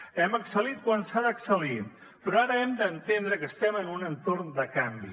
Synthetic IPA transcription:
ɛməksəlit̪̚kwansaðəksəli | pɾɔaɾəɛmd̪ənt̪end̪ɾəkəst̪ɛmənunənt̪ornd̪əkambi

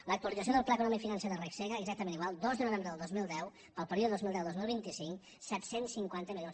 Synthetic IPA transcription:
ləkt̪uəlid͡zəsioðəlˠplaəkunɔmikfinənseðərekseɣəɛɡzak̚t̪əmẽniɣwalˠd̪ɔzðənuβɛmɾəðəlˠd̪ozmilˠd̪ɛw | pəlˠpəɾiuðəðozmilˠd̪ɛwd̪ozmilˠβint̪isiŋk | sɛt̪sensːiŋkwant̪əmilʎjons

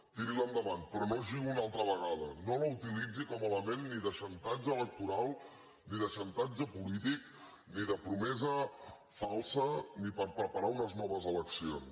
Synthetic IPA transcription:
t̪iɾilənd̪əβanpɾɔnoʒiɣuunalˠt̪ɾəβ̞əɣaðənoləut̪ilid͡zikɔmələmenːiðəʃənt̪ad͡ʒəələk̚t̪uɾalˠ | niðəʃənt̪ad͡ʒəpulit̪ik̚ | niðəpɾumɛzə | falˠsənipəɾpɾəpəɾaunəznɔβəzələksions

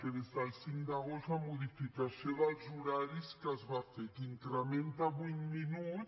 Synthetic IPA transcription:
peðezðalsiŋkd̪aɣost̪lamuðifikasjoðalzuɾaɾiskazβafek̪iŋk̪ɾamẽnt̪aβuŋminu

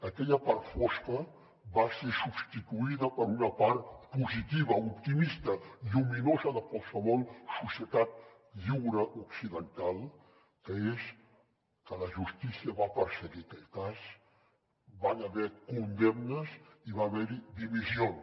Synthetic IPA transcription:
əkɛʎəpaɾt̪fɔskə | βasesubst̪it̪uiðəpəɾunəpaɾt̪puzit̪iβ̞əupt̪imist̪əʎuminozəðəkwalˠsəβɔlˠsusjət̪at̪̚ | ʎuwɾəʔuksiðənt̪alˠ | kəes | kələʒust̪isiəβapəɾsəɣikɛʎkas | banəβɛkund̪ɛmnəziβaːβɛɾid̪iβizion

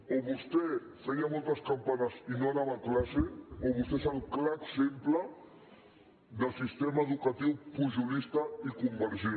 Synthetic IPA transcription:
oβust̪e | səiamolt̪ɐskampanasinonaβaklaseoβust̪esawklaksempla | d̪əlsist̪emaeðukat̪iwpuʒulist̪aikumbəɾʒi

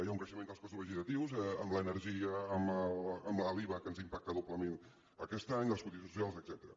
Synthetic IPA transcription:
jauŋkɾəʃəmenlˠskɔst̪uzβəʒit̪ət̪iwzɛəmləːnəɾʒiəːmələmləliβəkənzimpak̚t̪əðupləmen | əkɛst̪aɲəlˠskunt̪is̬ususialˠzəɡz̥ɛt̪əɾə̰

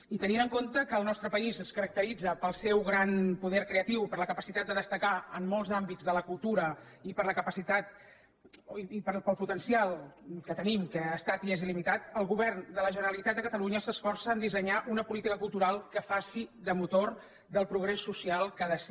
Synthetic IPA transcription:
it̪əninəŋkont̪əkəːlˠnɔst̪ɾəpəizəskəɾək̚t̪əɾid͡zəpəlˠsɛwɣɾanpuðɛɾkɾeət̪iwpəɾləkəpəsit̪at̪̚d̪əðəst̪əkaəmːɔlˠzambid͡zðələkulˠt̪uɾə | ipəɾləkəpəsit̪at̪̚ | ipəpəlˠput̪ənsialˠkət̪ənimkəast̪at̪iezilimit̪at̪əlˠɣuβɛrnd̪ələʒənəɾəlit̪at̪̚d̪əkət̪əluɲəsəsfɔrsəːnd̪isəɲaʔunəpulit̪ikəkulˠt̪uɾalˠkəfasiðəmut̪or | d̪əlˠpɾuɣɾesːusialˠkəðəs

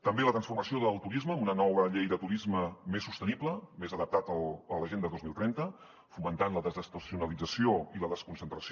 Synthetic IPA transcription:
t̪əmbelət̪ɾənsfuɾməsioðəlˠt̪uɾizməːmunənɔβəʎejðət̪uɾizməmesːust̪ənipləmezəðəp̚t̪at̪əələʒend̪əðozmilˠt̪ɾɛnt̪ə | fumənt̪anləðəzəst̪əsiunəlid͡zəsioiləðəskunsənt̪ɾəs

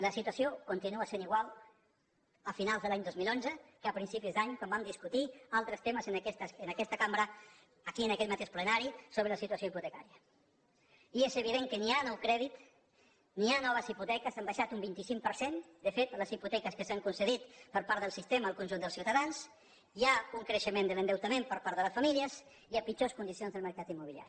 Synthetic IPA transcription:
ləsit̪wəsiokunt̪inuaseniɣwalˠ | əfinalˠzðəlaɲd̪ozmilˠonzəkəəpɾinsipizd̪aɲkambamd̪iskut̪ialˠt̪ɾəst̪eməzənɛst̪ənəkɛst̪əkambɾəː | kiənəkɛt̪mat̪eʃplənaɾisoβɾələsit̪uəsioiput̪əkaɾiə | iezəβ̞iðeŋkənianɔwkɾɛðit̪ | nianɔβəziput̪ɛkəsambaʃat̪umbint̪isiŋpəɾsen | d̪əfet̪ləziput̪ɛkəskəsaŋkunsəðit̪pəɾpaɾðəlˠsist̪eməːlˠkunʒund̪əlˠsiwt̪aðans | iauŋkɾəʃəmẽnd̪ələnd̪əwt̪amẽmpəɾpaɾðələsfamiliəs | iapit͡ʃoskund̪isionzðəlˠməɾkat̪imːuβilja̰ɾi

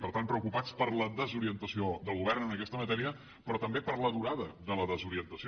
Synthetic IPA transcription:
pəɾt̪ampɾəukupat͡spəɾləðəzuɾiənt̪əsioðəlˠɣuβ̞ɛrnənəkɛst̪əmət̪ɛɾiə | pɾɔt̪əmbepəɾləðuɾaðəðələðəzuɾiənt̪əsi

